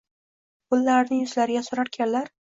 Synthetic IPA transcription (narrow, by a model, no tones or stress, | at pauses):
bʊlːaɾnɪŋjʊzlaɾɪɡʲasʊɾaɾkʲʰanlaɾ